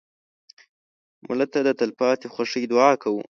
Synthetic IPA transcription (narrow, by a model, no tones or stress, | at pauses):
mʊ̰lat̪ad̪ət̪alpɑt̪exwaʂəjd̪ʊɑkawṵ